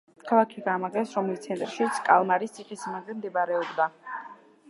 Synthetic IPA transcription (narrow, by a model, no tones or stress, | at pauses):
kʰalˠakʰiɡamaʁɛsɾɔmlist̪sʰɛnt̪ʼɾʃit̪sʰkʼalˠmaɾist̪sʰiχʼisimaɡlɛmd̪ɛbaɾɛɔbd̪a